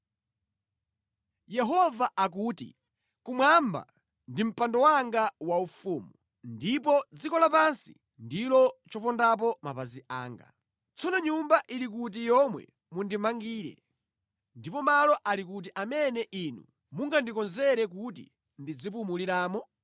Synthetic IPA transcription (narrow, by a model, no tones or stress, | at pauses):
jɛɦɔvaʔak̬uːtḭ | kumwamba̰ | ndim̩pandɔwaŋɡawaufuːmu | ndip̬ɔd͡zikɔlapansḭ | ndilɔt͡ʃɔpɔndap̬ɔmapaziʔa̰ːŋɡa̰ | t͡sɔnɔɲumbaʔiɾik̬ut̬ijɔmwɛ̰ | mundimaŋɡiːɾɛ̰ | ndipɔmalɔʔalik̬ut̬iʔamɛnɛʔinṵ | muŋɡandikɔnzɛɾɛk̬utḭ | ndid͡zip̬umuliɾaːmɔ